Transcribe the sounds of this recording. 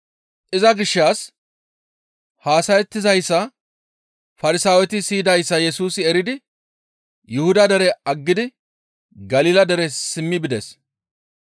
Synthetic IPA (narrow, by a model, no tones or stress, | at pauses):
ʔɪzɐɡɪʃːaːs | haːsɐjɛt̪ːɪzɐjsːɐ | fɐɾɪsaːwɛt̪ɪsiːd̪ɐjsːɐjɛsuːsɪɛɾɪd̪ɪ | jʔʊhʊd̪ɐd̪ɛɾɛɐɡːɪd̪ɪ | ɡɐliːlɐd̪ɛɾɛsɪmːɪbɪd̪ɛs